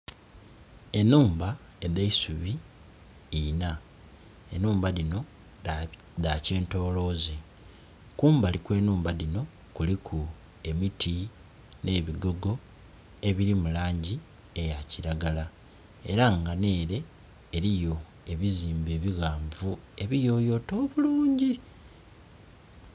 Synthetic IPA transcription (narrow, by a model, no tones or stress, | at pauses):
e̞nuːmba | edeisuβiː | na | e̞nuːmbalino̞ | dace̞ːnto̞ːlo̞ːze | kuːmbalikwe̞ːnuːmbalino̞ | kulikʰu | e̞mitʰi | ne̞ːβiɡo̞ɡo̞ | e̞βiɾimulaːɲɟi | e̞jaciɾaɡala | e̞̰ɾaŋɡane̞ːɾe̞ː | ɾijo̞ | e̞βiziːmbe̞ːβiɣaːɱvue̞βijo̞ːjo̞ːto̞ːβuluːɲɟi